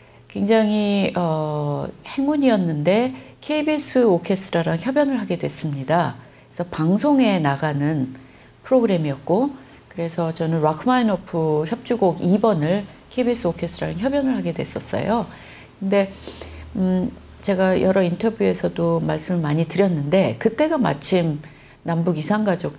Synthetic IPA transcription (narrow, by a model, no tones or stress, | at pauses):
kwe̞ŋd͡ʑaŋiʌ | he̞ŋuɲiʌnːɯnde̞kʰe̞ibes͈ʰɯokʰe̞stʰɯɾaɾaŋçjʌbjʌnɯɭɦaɡe̞dwe̞s͈ɯmɲida | esʰʌpaŋsʰoŋe̞naɡanɯn | pʰɯɾoɡɯɾe̞miʌt̚k͈o | kɯɾe̞sʰʌt͡ɕʌnɯnɾwakʰɯmainopʰuçjʌp̚t͡ɕ͈uɡoɡibʌnɯɭkʰe̞ibes͈ʰɯokʰe̞stʰɯɾaɾaŋçjʌbjʌnɯɭhaɡe̞dwe̞s͈ʌs͈ʌ̰jo | kɯnde̞ | t͡ɕe̞ɡajʔʌɾʌintʰʌbjue̞sʰʌdomaɭs͈ɯmɯɭmaɲitɯɾjʌnːɯnde̞kɯt͈e̞ɡama̰t͡ɕʰim | nambuɡisʰaŋɡad͡ʑok̚